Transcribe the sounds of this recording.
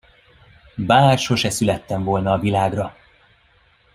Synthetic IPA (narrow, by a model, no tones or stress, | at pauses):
baːrʃo̞ʃɛsylɛt̪ːɛɱvo̞lnɒːvilaːɡrɒ